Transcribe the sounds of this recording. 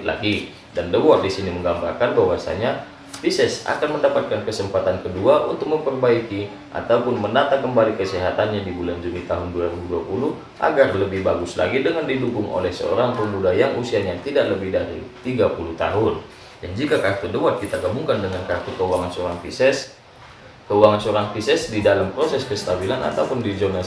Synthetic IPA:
la̰ɡi | dandəwat̪̚disiniməŋɡamba̰rkanbaɦwasa̰ɲa | fisɛsa̰kanməndapat̪̚kankəsəmpat̪ankəduaʔunt̪ʊk̚məmpərbaiki | ʔa̰t̪aupʊnməndat̪akəmbalikəsɛɦat̪anɲadibuland͡ʒunit̪aɦʊnduaɾibuduapulu | ʔa̰ɡarləbɪhbaɡʊsla̰ɡidəŋandidukʊŋo̰lɛhsə̰o̰ɾaŋpəmudajaŋʔusianjat̪idaʔləbɪhdaɾḭt̪iɡapuluht̪a̰ɦʊn | dand͡ʒikakat̪udəwat̪̚kit̪aɡamuŋkandəŋankat̪ukəuwaŋansəoɾaŋfiɛs | kəuwaŋansəoɾaŋfisɛsdidalampɾosɛskəst̪abilanʔa̰t̪aupʊndid͡ʒona

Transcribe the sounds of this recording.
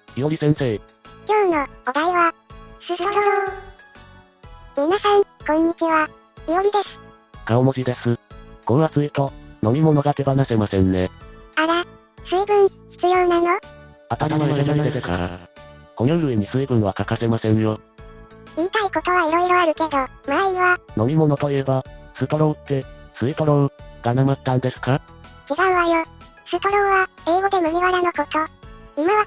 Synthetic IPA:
io̞ɾʲisẽ̞ɰ̃se̞ː | kʲoːnoɡod̪aiβasɨs | mʲinasãŋkõ̞ɲ̟ːit͡ɕiβa | ijoɾʲid̪e̞sɨ̥ | kaomoʑid̪e̞sɨkõ̞ɾ̃βasɨit̪o̞no̞mʲimo̞no̞ɡake̞banasemasẽ̞nne̞aɾa | sɨibɯ̟̃ɰ̃çi̥t͡sɨjo̞ːnanoat̪at̪amaeɡainad̪esesa̰ko̞noɯ̟βe̞ɲ̟isɨibɯ̟̃ɰ̃βakakase̞masẽ̞ɰ̃jo | iːt̪aiko̞t̪o̞β̞aiɾo̞iɾo̞aɾɯ̟ke̞d̪o̞maiβano̞mʲimo̞no̞t̪o̞iebasɨt̪oɾõt̪ːe̞sɨit̪oɾõɡ̥anamat̪ːãnd̪e̞sɨ̥kat͡ɕiɡaɯ̟̃βajo | sɨt̪oɾõɰ̃βae̞ːɡo̞d̪e̞mɯ̟mʲiβaɾanoko̞t̪o̞imaβa

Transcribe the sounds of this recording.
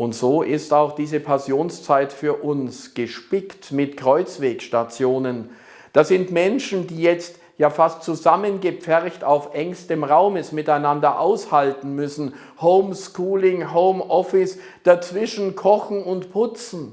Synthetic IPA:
ʔʊntz̥oːʔɪstaʊxd̥iːzəpʰasjoːnst͡saɪtfyːɐʔʊnsɡ̥əʃpɪktmɪtkʁ̥ɔʏt͡sv̥eːkʃtat͡sjoːnən | d̥aːz̥ɪntmɛnʃn̩diːjɛt͡st | jaːfastt͡suzamənɡəpp͡fɛʁçtaʊfʔɛŋstəmʁaʊməsmɪtaɪnandɐʔaʊshaltn̩mʏsn̩ | hoʊmskuːlɪŋɦoʊmʔɔfɪs | d̥at͡sv̥ɪʃn̩kʰɔxn̩ʊntpʰʊt͡sn̩

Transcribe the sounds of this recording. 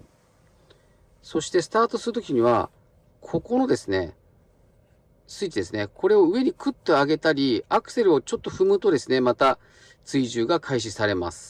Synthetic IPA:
so̞ɕi̥t̪e̞sɨ̥t̪aːt̪o̞sɨɾɯ̟t̪̬o̞kʲiɲ̟iβ̞a̰ | kʰo̞ko̞no̞d̪e̞sɨne̞ | sɨit͡ɕid̪e̞sɨnekʰo̞ɾe̞o̞ɯ̟e̞ɲ̟ikɯ̟t̪ːe̞aɡe̞t̪aɾʲiakɯ̟̥se̞ɾɯ̟o̞t͡ɕo̞t̪ːo̞ɸɯ̟mɯt̪o̞d̪e̞sɨne̞mat̪a | t͡sɨiʑɨːɡakʰaiɕ̬isaɾe̞ma̰sɨ̥

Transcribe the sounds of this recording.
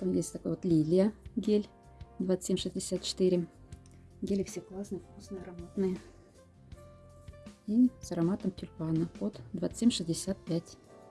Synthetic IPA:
t̪amjesʲtʲt̪akojvot̪lʲilʲɪjəɡʲelʲ | d̪vat̪ːə̥sʲemʂɨzʲdʲɪsʲat̪̚t͡ɕɪ̥t̪ɨɾʲɪ | ɡʲelʲɪfsʲeklˠɑsnɨjəfkusnɨjaɾɐmat̪nɨjə | inʲsɐɾɐmɑt̪əmtʲylʲpɑnəpot̪d̪vat̪sɨ̥sʲemʲʂɨzʲdʲɪsʲat̪̚pʲætʲ

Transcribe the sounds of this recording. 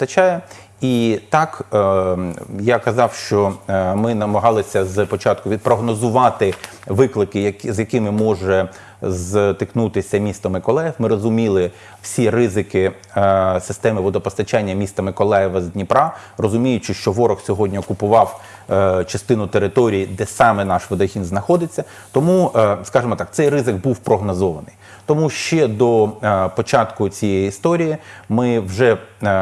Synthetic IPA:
t̪ɐt͡ʃajɛ | it̪ɑk | jakɐzɑwʃt͡ʃɔmɪnɐmɐɦɑlˠɪsʲɐzpɔt͡ʃɑt̪̚kʊʋʲid̪̚pɾɔɦnɔzʊʋɑt̪ɪ | ʋɪklˠɪkɪjɐzjɐkɪmɪmɔʒɛ | zt̪ɪknut̪ɪsʲɐmʲist̪ɐmɪkɔlˠɛjɛfmɪɾɔzʊmʲilˠɪ | w̥sʲirɪzɪkɪ | sɪst̪ɛmɪʋɔd̪ɔpɔst̪ɐt͡ʃanʲːɐmʲist̪ɐmekɔlˠɛjɛʋɐzd̪ʲnʲipɾɑ | rɔzʊmʲijʊt͡ʃɪʃt͡ʃɔʋɔɾɔxsʲɔɦɔdʲnʲiɔkʊpʊʋɑw | t͡ʃɐst̪ɪnʊt̪eɾɪt̪ɔɾʲijid̪ɛsɑmɛnɑʃʋɔd̪ɐxʲinznɐxɔd̪ɪt͡sʲːɐ | t̪ɔmuskɑʒemɔt̪ɑk̚t̪sɛjrɪzɪɡbuwpɾɔɦnɔzɔʋɐnɪj | t̪ɔmuʃt͡ʃɛd̪ɔpɔt͡ʃɑt̪kʊt͡sʲijɛjiist̪ɔɾʲijimɪwʒɛ

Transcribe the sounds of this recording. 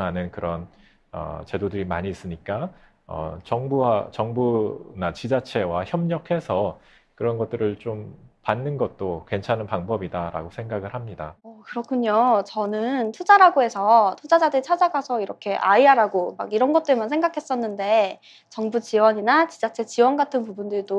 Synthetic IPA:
anɯnkɯɾʌn | ʌ̰t͡ɕe̞dodɯɾimaɲiːs͈ɯɲik͈a | ʌ̰t͡ɕʌŋbuat͡ɕʌŋbunat͡ɕid͡ʑat͡ɕʰe̞waçjʌmɲʌkʰe̞sʰʌ | kɯɾʌnɡʌt̚t͈ɯɾɯɭt͡ɕompanːɯnɡʌt̚t͈okwe̞nt͡ɕʰanɯnpaŋbʌbidaɾa̰ɡosʰe̞ŋɡaɡɯɭhamɲida̰ʌkɯɾʌkʰuɲot͡ɕʌnɯntʰud͡ʑaɾaɡoe̞sʰʌtʰud͡ʑad͡ʑadɯt͡ɕʰad͡ʑaɡasʰʌiɾʌkʰe̞ʔaiaɾaɡoma̰ɡiɾʌnɡʌt̚t͈ɯɭmansʰeŋɡakʰe̞s͈ʌnːɯnde̞ | t͡ɕʌŋbut͡ɕiwʌɲinat͡ɕid͡ʑat͡ɕʰe̞t͡ɕiwʌnɡatʰɯnpubundɯɭdo

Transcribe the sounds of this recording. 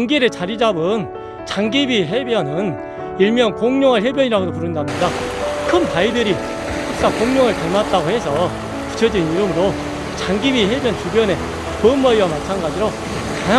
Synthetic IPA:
ŋɡiɾɯt͡ɕaɾid͡ʑabɯn | t͡ɕaŋɡibiɦe̞bjʌnɯn | iɭmjʌnkoŋɲoŋɦaɭɦjebjʌɲiɾaɡodopuɾɯndamɲidakʰɯnpaidɯɾi | hʰak̚s͈akoŋɲoŋɯɭpamat̚t͈aɡohe̞sʰʌ | ku̥t͡ɕʰʌd͡ʑeniɾɯmɯɾo | t͡ɕaŋɡibiɦe̞bjʌnt͡ɕubjʌne̞ | pɯnːʌiwamat͡ɕʰanɡad͡ʑiɾo | kaŋa

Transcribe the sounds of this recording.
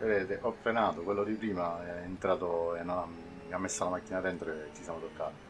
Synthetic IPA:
eɾeːd̪eʔɔfɾenaːt̪okwelːod̪ipɾiːmaent̪ɾaːt̪oenːona | miamːesːalamakːinad̪ɛnt̪ɾoet͡ʃːisjaːmot̪okːa̰ːt̪i

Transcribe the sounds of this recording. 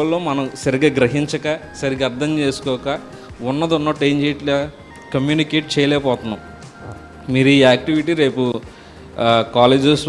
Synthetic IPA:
ɐlːoːmɐnɐmsɐɾiɡaːɡɾɐɦiɲt͡ʃɐkaːsɐɾiɡɐɾd̪ʰʱɐmt͡ʃe̞ːsu̥kɔːkaː | unːɐd̪unːɐʈejɲd͡ʒeːʈl | kɐmjuːnikeːʈ̚t͡ʃɛːjɐlɛːpɔːt̪unːaːm | miːɾuiːaːk̚ʈiʋiʈiːɾe̞ːpu | kaːleːd͡ʒes

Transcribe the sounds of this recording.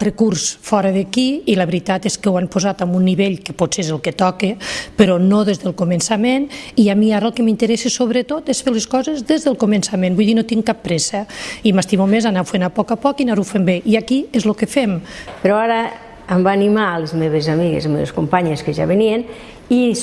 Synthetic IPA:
rəkuɾsfɔɾəðəkiiləβɾit̪at̪eskəwampozat̪ambunːiβeʎkəposeezelˠkət̪ɔkepəɾɔnoðezðəlˠkomənsameniamiaɾəlˠkəmint̪əɾɛsesoβɾət̪ot̪esfeɾleskɔzezðezðəlˠkomensamẽnbujðinot̪iŋkapːɾɛsəimast̪imomezanawfenapɔkapɔkinaɾufembeʔiakiezlokəfempeɾɔaɾəː | mbaːnimalezmeβezamiɣḛzmeβḛskompaɲeskəʒa̰βenien | i

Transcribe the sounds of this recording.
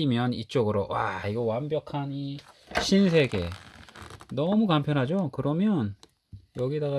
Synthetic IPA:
imjʌnit͡ɕ͈oɡɯɾowa̰iɡʌwambjʌkʰaɲiɕʰinsʰe̞ɡe̞̰ | nʌmukampʰjʌnɦad͡ʑokɯɾʌmjʌn | jʌɡidaɡa

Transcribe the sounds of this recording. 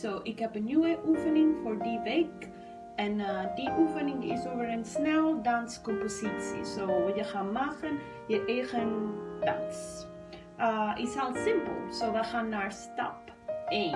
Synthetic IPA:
soːʔɪkɦɛpənjuəʔufəniŋfɔrdivek | ɛnədiʔufəniŋɪ̰sovəɾənsnɛlˠdanskɔ̃mposisḭsoːvijəχanmaχən | jəʔeχənda̰ns | əʔɪsɛlˠsɪmpə̰lˠsoːdaχanːarsta̰p | e

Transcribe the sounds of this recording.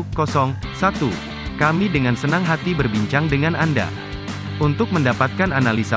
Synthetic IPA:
kɔsɔŋsat̪u | kamidəŋansənaŋɦat̪ibərbiɲt͡ʃaŋdəŋananda̰ | ʔunt̪ʊk̚məndapat̪̚kananalisa

